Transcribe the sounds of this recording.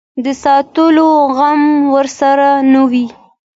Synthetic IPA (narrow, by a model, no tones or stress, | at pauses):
d̪əsɑt̪əloɣamwəɾsaɾanawi